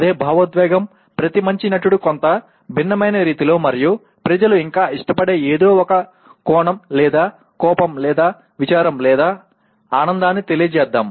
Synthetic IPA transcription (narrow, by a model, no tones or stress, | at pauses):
ɐd̪e̞ːbʱaːʋɐt̪ʋɛːɡɐm | pɾɐt̪imɐɲt͡ʃinɐʈuɽukont̪ɐ | bʱinːɐmɐjnɐɾiːt̪ilo̞ːmɐɾiju | pɾɐd͡ʒɐluiŋkaːʔiʂʈɐpɐɽe̞ːeːd̪o̞ːɔkɐ | kɔːɳɐmlɛːd̪aː | kɔːpɐmlɛːd̪aː | ʋit͡ʃaːɾɐmlɛːd̪aː | aːnɐnd̪aːnːit̪e̞lijɐd͡ʒɛːd̪ːaːm